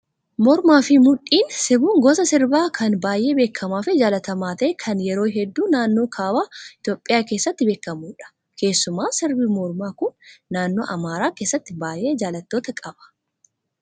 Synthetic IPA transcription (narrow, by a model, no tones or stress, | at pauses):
mɔɾmaːfɪmʊᶑiːnsɪbuːŋɡɔsɐsɪɾbaːkʰɐnbaːjʔe̞ːbe̞ːkʰːɐmaːfɪd͡ʒaːlɐt̪ɐmaːt̪ɐʔɛkʰɐnjɛɾo̞ːɦɛd̪ːuːnaːnːoːkʰaːwaːɪt̪joːpʼːɪjaːke̞ːsːɐt̪ːɪbe̞ːkːɐmuːᶑɐ̥ | kʰe̞ːsːʊmaːsɪɾbimɔɾmaːkʊnːaːnːo̞̰ːʔɐmaːɾaːkeːsːɐt̪ːɪbaːjʔeːd͡ʒaːlɐt̪ːo̞ːt̪ɐkʼɐb̥ɐ̥